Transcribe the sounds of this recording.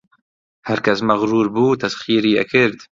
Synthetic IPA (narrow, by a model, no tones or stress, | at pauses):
hɐɾkɐsmɐɣɾuːɾbuːt̪ʰɐsxiːɾiːɛ̰kʰɪɾd̪